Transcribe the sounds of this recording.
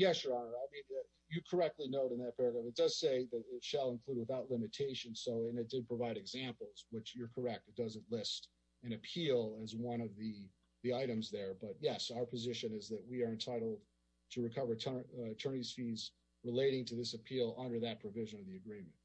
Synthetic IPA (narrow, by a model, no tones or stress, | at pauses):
jɛsjə˞ɑnə˞aɪmĩn | jɨkʰə˞ɛk̚tˡlinoʊɾɨ̃nðɨt̚pʰɛɹəɡɹæ̃mɨt̚d̥ʌz̥seɪðɨɾɪtʃəlˠə̃nkʰl̥ud̚wəθaʊtˡlɪ̃mɨtʰeɪʃɨ̃nsoʊɨ̃nɨt̚d̥ɨd̚pʰɹ̥əvaɪɾɨɡzæ̃mpl̩ˠzwɪt͡ʃjə˞kʰə˞ɛk̚tɨd̥ʌzɨ̃ntlɪst | ɨ̃ñɨpʰilˠɨzwʌ̃ñʌvði | ðiaɪɾɨ̃mzðə˞bʌt̚jɛsaʊə˞pʰɨzɪʃɨ̃nɨzðɨt̚wiə˞ɨ̃ntʰaɪɾl̩ˠd̥̚ | tʰɨɹɨkʰʌvə˞tʰɜ˞ɨtʰɜ̃˞niz̥fiz | ɹəleɪɾɪ̃ŋtʰɨðɪsɨpʰilˠʌ̃ndə˞ðɨt̚pʰɹ̥ɨvɪʒɨ̃nʌvðiɨɡɹĩmɨ̃nt̚